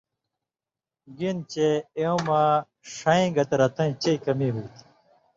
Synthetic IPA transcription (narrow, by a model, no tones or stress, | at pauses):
ɡint͡ɕeeõma | ʂɐĩɡɐt̪ɐɾɐt̪ɐ̃t͡ɕeikɐmiɦut̪